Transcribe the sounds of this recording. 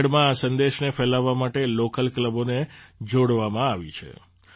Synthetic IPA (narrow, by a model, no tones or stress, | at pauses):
ɽmãːsənd̪eʃnefɛlaʋːamaʈelokəlkləboned͡ʒoɽʋamãaʋit͡ʃʰḛ